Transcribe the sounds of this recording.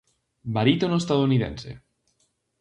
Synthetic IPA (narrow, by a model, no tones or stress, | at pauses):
baɾit̪onoest̪aðouniðḛnsḛ